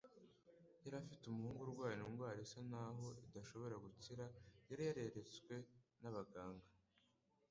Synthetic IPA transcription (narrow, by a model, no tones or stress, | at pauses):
jaɾafitumuhuːŋɡuɾɡwaːjnuŋɡwaːɾesanaɦo̞idaʃo̞βo̞ɾaɡut͡siɾajaɾajaɾe̞ɾe̞t͡swe̞naβaɡaːŋɡa